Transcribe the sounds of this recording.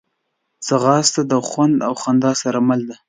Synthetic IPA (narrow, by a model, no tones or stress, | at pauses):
t͡səɣɑst̪ad̪əxwand̪awxand̪ɑsaɾamald̪a